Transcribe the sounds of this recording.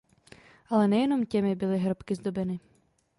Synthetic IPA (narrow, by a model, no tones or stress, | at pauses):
alˠɛnɛjɛnɔmtʲɛmɪbɪlˠɪɦɾɔpkɪzd̪ɔbɛnɪ